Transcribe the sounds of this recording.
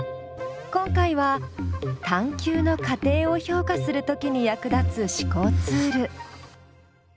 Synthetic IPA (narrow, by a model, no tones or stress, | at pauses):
kõ̞ŋkaiβa | t̪ãŋkʲɨːno̞kat̪e̞ːo̞ço̞ːkasɨɾɯ̟t̪o̞kʲiɲ̟ijakɯ̟d̪at͡sɨɕi̥ko̞ːt͡sɨːɾɯ̟